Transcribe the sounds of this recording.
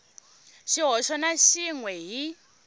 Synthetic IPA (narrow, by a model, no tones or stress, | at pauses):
ʃiɦɔʃɔnaʃiŋwɛɦi